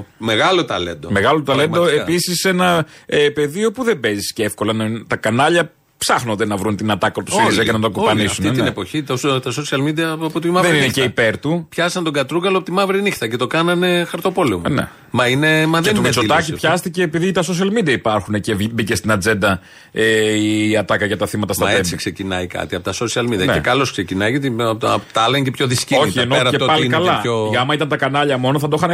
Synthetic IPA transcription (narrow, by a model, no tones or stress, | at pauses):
meɣɐlot̪ɐ̰lḛnd̪ome̞ɣɐlo̞t̪ɐle̞no̞episise̞nɐepe̞ðio̞puðe̞be̞zisceefko̞lɐnt̪ɐkɐnɐʎɐ | psɐxnond̪e̞nɐvɾunt̪inɐt̪ɐkot̪ussɾizɐcenɐt̪okopɐnisunt̪inienepoçit̪ot̪ɐsosiɐlmid̪iɐɐpot̪umɐðenineceipe̞ɾt̪upçɐsɐnt̪oɡɐt̪ɾuɡɐlopot̪imɐvɾinixt̪ɐce̞t̪o̞kɐnɐne̞xɐɾt̪o̞po̞lemunḛ | mɐinemɐðennesold̪ɐcipçɐst̪ice̞ːpiðit̪ɐso̞s̬iɐlmid̪iɐipɐɾxune̞ce̞vbicest̪inɐd͡ze̞nd̪ɐ | eiɐt̪ɐkɐʝɐt̪ɐθimɐt̪ɐst̪ɐesiksecinɐikɐ̰t̪iɐpot̪ɐsosiɐlmid̪iɐnḛkɐlo̞skse̞cinɐjʝɐt̪it̪ːlɐɲɟepçoðiscio̞çienoɾɐepɐlikɐlɐoɐmɐit̪ɐnt̪ɐkɐnɐʎɐmo̞noθɐd̪o̞xɐn